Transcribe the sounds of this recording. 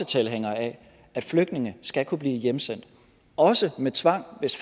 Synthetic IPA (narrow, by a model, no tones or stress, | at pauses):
ət͡sʰelɦeŋ̰ɐæ | æd̥fløɡ̥d̥ne̝ŋəsɡ̥ækʰub̥liːjemsen̰d̥ | ɒ̽səmet͡sʰʋɑ̈ŋ̰ʋe̝sf